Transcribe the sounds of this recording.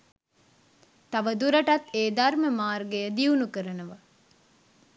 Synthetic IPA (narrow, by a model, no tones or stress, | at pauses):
t̪aʋəd̪uɾɐʈɐt̪ːeːd̪arməmaːrɡejəd̪iunukəɾənəʋɐ